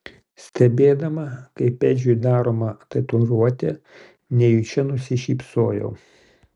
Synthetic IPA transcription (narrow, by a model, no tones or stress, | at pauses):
sʲt̪ʲɛbʲeːd̪ɐmɐkɐɪpʲɛd͡ʒʲʊjd̪ɑːɾoːmɐt̪ɐt̪ʊɾuɔt̪ʲɛ | nʲɛjut͡ʃʲɛnʊsʲɪʃʲiːpsoːjɛ̰ʊ